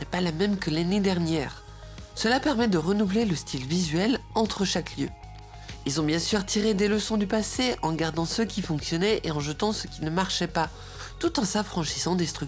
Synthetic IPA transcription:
nɛpalamɛmkəlaned̪ɛʁnjɛːʁ | səlapɛʁmɛd̪əʁənuvleləst̪ʰilvizɥɛlɑ̃t̪χəʃakljø̰ | ilzɔ̃bjɛ̃syʁt̪ʰiʁed̪eləsɔ̃d̪ypaseɑ̃ɡaʁd̪ɑ̃səkʲifɔ̃ksjɔnɛʔeɑ̃ʒət̪ɑ̃səkʲinəmaʁʃɛpa | t̪ut̪ɑ̃safχɑ̃ʃisɑ̃d̪est̪χyk

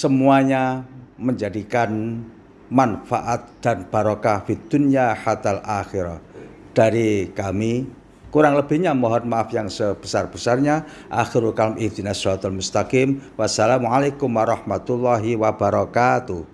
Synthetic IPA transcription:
səmuaɲaməɲd͡ʒadikan | manfaʔat̪̚d̪̥anb̥a̤ɾɔkahfid̪̥unijaħat̪alaxiɾa̰h | d̥aɾikami | kuɾaŋləb̥i̤hɲamɔɦɔnmaʔafjaŋsəb̥əsarb̥əsarɲa | ʔaxiɾulkalmʔid̪inasɔwat̪almust̪akimwasalamuʕalekʊmwaɾɑhmat̪ulːaɦiwabaɾɔkat̪uh

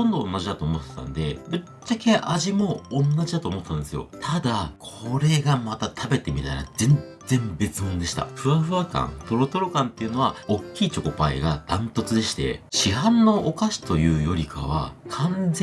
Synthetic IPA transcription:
õ̞nd̪o̞õ̰nːaʑid̪at̪oːmo̞t̪ːet̪ã̰nod̪e̞bɯ̟ | t͡ɕːakeʔaʑimõ̞ːnːaʑid̪at̪oːmo̞t̪ːãnd̪e̞sɨjo̞̰t̪ʰad̪akʰo̞ɾe̞ɡamat̪at̪ʰabe̞t̪e̞mʲit̪aiɾa̰zẽ̞n | d͡zẽ̞mbe̞t͡sɨmõ̞nd̪e̞ɕi̥t̪a̰ɸɯ̟aɸɯ̟βakã̰nt̪o̞ɾo̞t̪o̞ɾo̞kãnt̪ːe̞iɯ̟no̞βaokʲːiːt͡ɕo̞ko̞paḛɡad̪̥ãnt̪o̞t͡sɨd̪e̞ɕi̥t̪e̞̰ɕiɦãnːo̞ʔokaɕi̥t̪o̞jɯ̟ːjo̞ɾʲikʰa̰β̞a̰kʰãnd͡ze

